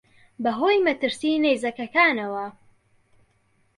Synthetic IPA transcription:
bɐɦoːjmɐt̪ɨɾsiːnejzɐkɐkaːnɐwɐ

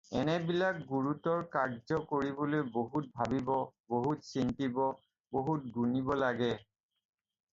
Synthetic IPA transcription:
ɛ̰nɛbilakɡuɹutɔɹkaɹd͡ʒɔkoɹibolojboɦut̚bʱabibɔboɦutsintibɔ | boɦut̚ɡunibɔlaɡɛ

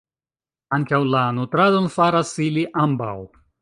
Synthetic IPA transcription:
aŋkawlanutɾadonfaɾasiliʔamba̰w

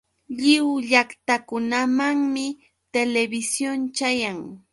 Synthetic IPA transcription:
ʎɪwʎakt̪akʊnamaŋmɪ | t̪elebɪsjont͡ʃajaŋ

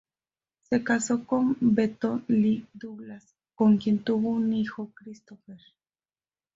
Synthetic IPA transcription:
sekasokombet̪olid̪uβlas | koŋkjent̪uβunixokɾist̪ofeɾ

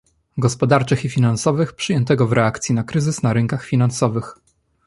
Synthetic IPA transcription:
ɡɔspɔd̪aɾt͡ʂɘxifʲinansɔvɘxpʂɘjɛnt̪ɛɡɔvɾɛakt̪sʲjinakɾɘzɘsnaɾɘŋkaxfʲinansɔvɘx

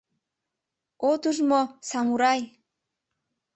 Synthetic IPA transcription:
ot̪uʒmosamuɾaj

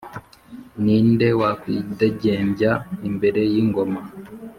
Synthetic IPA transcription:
niːnde̞wakwideɟeːmbjaimbe̞ɾe̞jiŋɡo̞ma

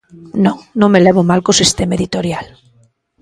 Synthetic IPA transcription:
nõŋnõŋmelɛβomalkosist̪ɛmaeðit̪oɾjal

